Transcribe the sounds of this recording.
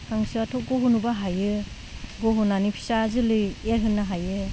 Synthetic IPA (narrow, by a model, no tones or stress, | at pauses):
kʰaŋsɯatʰɔk̚ɡɔɦunubaɦajɯ | ɡoɦunanipʰi̥sazɯlɯjeɾɦɯnːaɦajɯ